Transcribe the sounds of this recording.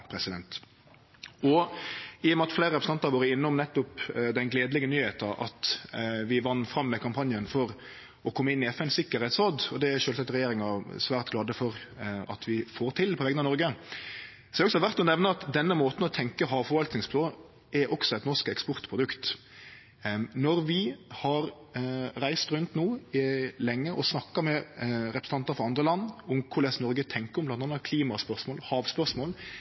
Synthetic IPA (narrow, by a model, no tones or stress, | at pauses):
pʰɾɛsɪd̪ɛnt̪ | ɔ | iːjɔmɛɑt̪fleːɾəɾɛpɾsɑnt̪ːɑʋoːɾəɪnːʊmnɛt̪ːʊpd̪ɛnɡleːd̪lɪɡənyːheːt̪əʔɑ̰t̪ʋɪʋɑnːfɾɑmːɛkʰɑmpʰɑnjənfɔɾ | ɔkʰɔmːəɪnːɪɛfɛnsɪkːəɾheːt̪soːd̪ɔd̪ɛæɾʃøːlsɑk̚t̪ɾɛjeːɾɪŋɑsʋæːʁt̪ɡlɑːd̪əfɔɾɑ̰t̪ʰʋɪfoːɾt̪ʰɪlpʰɔʋɛɡənɑnɔɾɡə | sɔʋɛɔksɔhɑʋæɾt̪ɔnɛʋnəɑt̪d̪ɛnːəmoːt̪n̩ɔt̪ʰɛŋkəɦɑːʋfɔɾʋɑlt̪nɪŋspʰloː | ɛɾʔɔksɔɛɪt̪nɔʁʂkɛkspɔɾt̪pʰɾʊd̪ʉkt̪ | nɔɾʋɪhɑɾ | ɾæɪst̪ɾʉnt̪noːlɛŋːəʔɔsnɑkːɑmɛɾɛpɾs̩ɑnt̪əfɔɾɑnd̪ʁəlɑnːʊmkʰʊɾlɛsnɔɾɡət̪ʰɛŋkəʊmblɑnt̪ʰɑːnːɑt̪kʰliːmɑspœʁʂmoːlhɑːʋspœɾsmoːl